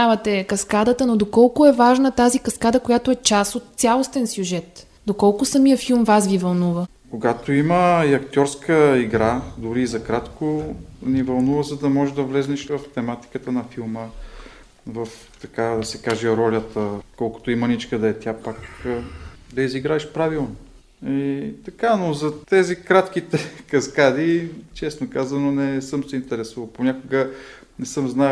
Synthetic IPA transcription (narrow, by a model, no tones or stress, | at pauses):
avɐt̪ɛkɐskad̪ət̪ənod̪okɔlˠkʊɛvaʒnət̪azikɐskad̪əkojat̪oɛt͡ʃasot̪ːsʲalˠost̪ɛnsʲjuʒɛt̪ | d̪okɔlˠkʊsɐmijəfilˠmvasɡʲivɐlˠnuvə | koɡat̪oiməiɐkt̪ʲɔɾskəiɡɾad̪ʊɾiːzɐkɾat̪konivɐlˠnuvəzɐd̪ɐmɔʒɛd̪ɐvlɛznɛʃvɐft̪ɛmat̪i̥kət̪ənɐfilˠmə | vɐf | t̪ɐkad̪ɐsɛkaʒɛɾɔlʲət̪əkɔlˠkʊ̥t̪oimɐnit͡ʃkəd̪ɐɛt̪ʲapak | d̪ɐiziɡɾaɛʃpɾavilˠno | it̪ɐkanozɐt̪ɛzikɾat̪kit̪ɛkɐskad̪it͡ʃɛsnokazvənonɛsɤmsɛint̪ɛɾɛsuvəlˠponʲakʊɡə | nɛsɤmznaj